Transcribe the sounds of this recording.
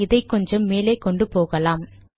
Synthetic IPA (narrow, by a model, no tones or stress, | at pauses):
ɪðɐɪkːɔɲd͡ʒɐmːeːlɐɪkːɔɳɖɯpoːɣɐlaːm